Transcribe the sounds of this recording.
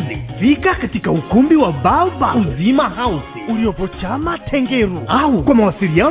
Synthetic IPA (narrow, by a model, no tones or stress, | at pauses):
zifikakatikaukumbiwababauzimahausiuliɔpɔt͡ʃamatʰɛŋɡɛɾuaukwamawasiɾian